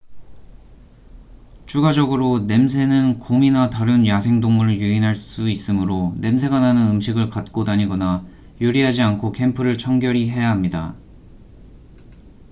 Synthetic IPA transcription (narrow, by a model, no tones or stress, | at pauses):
t͡ɕʰuɡad͡ʑʌɡɯɾone̞ms̬ʰe̞nɯnkominataɾɯnjasʰe̞ŋdoŋmuɾɯɭjuinɦaɭs͈uis͈ɯmɯɾone̞ms̬ʰe̞ɡananɯnɯmɕʰiɡɯɭkat̚k͈odaɲiɡʌna | juɾiɦad͡ʑiankʰokʰe̞mpʰɯɾɯɭt͡ɕʰʌŋɡjʌɾiɦe̞jaɦamɲida̰